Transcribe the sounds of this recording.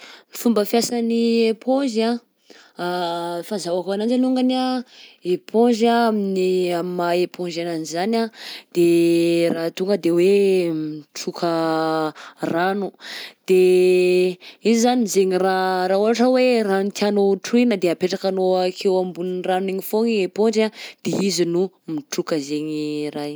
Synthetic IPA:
ifumbəfjasəniepʰõʒa | afazawakanand͡ʒanuŋɡanaepʰõʒaminiamimaepʰõʒananizanad̪̥erat̪uŋɡəd̪ewemʈ͡ʂukʰə | ranud̪̥e | izizanizeɲiraɾauɦaʈ͡ʂəwerant̪ianoʈ͡ʂuinəd̪eapeʈ͡ʂakanoakʰewambuninraneɲifoŋiepoɳɖ͡ʐad̪̥eizinu | miʈ͡ʂukəzeɲiraj

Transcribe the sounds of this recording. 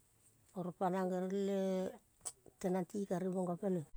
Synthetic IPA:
oɾpanaŋɡeɾle | tenantikaɾiboŋɡopele

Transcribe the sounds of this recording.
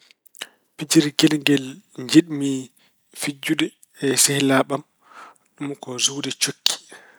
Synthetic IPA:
pid͡ʒiɾɡɛlŋɡɛlɲd͡ʒiɗmi | fid͡ʒːuɗɛː | sɛhlaːɓam | ɗumkɔzuwdɛt͡ʃokʰːi̥

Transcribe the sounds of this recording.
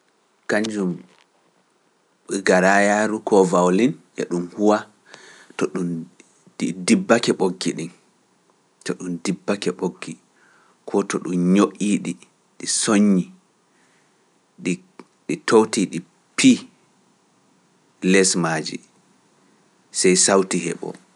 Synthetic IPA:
kaɲd͡ʒum | ɓɛɡaɾajaːɾukʰɔvawlinʔɛ̰ɗumhuwa | tɔɗum | idibːakɛɓoɡːiɗin | tɔɗumdibːakɛɓoɡːi | kʰɔtɔɗumɲoʔiːɗi | ɗisoɲːi | ɗ | ɗitʰowtiɗi | pʰi | lɛsmad͡ʒḭ | sɛjsawtihɛ̰ɓɔ̰

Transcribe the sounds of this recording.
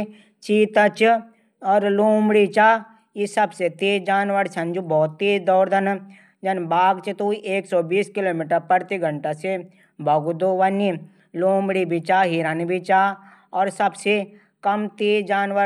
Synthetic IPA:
t͡ʃiːt̪ət͡ʃ | ɔːɾloːmɽit͡ʃaː | jisɐbset̪eːd͡ʒaːnʋəɽsɐnd͡ʒubɔːt̪ːid̪ɔːɾd̪ɐn | d͡ʒɐnbaːɡt͡ʃit̪uiʔeːksɔbiːskɪloːmiːʈəɾpəɾt̪iɡʱəɳʈase | bɐɡud̪oʋɐni | loːmɽibʱit͡ʃaːɦiɾanbʱit͡ʃaː | ɔːɾsɐbse | kɐmt̪eːd͡ʒaːnʋəɾ

